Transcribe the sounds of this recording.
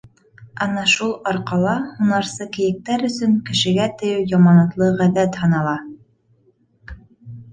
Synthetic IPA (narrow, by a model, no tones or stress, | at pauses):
ɑnɑʃulˠɒɾqɑlˠɑhunɑɾsɤkɘ̆jɘ̆k̚t̪æɾɵ̆sɵŋkɘ̆ʃɘ̆ɡæt̪ɵ̆jɘwjɑmɑnɤ̆t̪lˠɤʁæðæt̪hɤ̆nɑlˠɑ